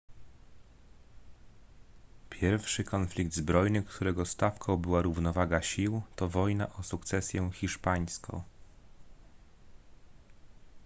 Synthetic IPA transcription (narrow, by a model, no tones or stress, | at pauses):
pʲjɛɾfʂɘkʰɔnflʲikd̪zbɾɔjnɘkt̪ʰuɾɛɡɔst̪afkʰɔ̃w̃bɘwaɾuvnɔvaɡaɕiwt̪ɔvɔjna̰ʔɔsukt̪sɛsʲjɛ̃xʲiʂpaj̃skʰɔ̰̃w̃